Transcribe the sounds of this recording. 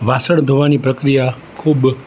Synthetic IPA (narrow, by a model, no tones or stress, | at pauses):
ʋasəɳd̪ʱoʋanipɾəkɾija | kʰub